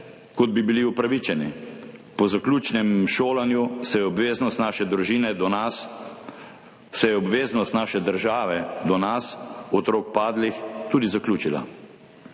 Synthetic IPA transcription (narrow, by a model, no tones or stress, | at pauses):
kɔd̪̚bibiliupɾaʋit͡ʃɛnḭpɔzaklʲuːt͡ʃnɛmʃoːlanjusɛjɛɔbʋeːznɔst̪naːʃɛd̪ɾuʒiːnɛd̪ɔnas | sɛjɛɔbʋeːznɔst̪naːʃɛd̪əɾʒaːʋɛd̪ɔnasɔt̪ɾoːkpaːd̪lixt̪uːd̪izaklʲjuːt͡ʃila̰